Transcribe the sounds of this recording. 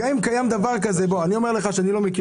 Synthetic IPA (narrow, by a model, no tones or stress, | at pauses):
aimkajamd̪avaʁkaze̞bo̞anio̞me̞ʁle̞χaʃeanilo̞meki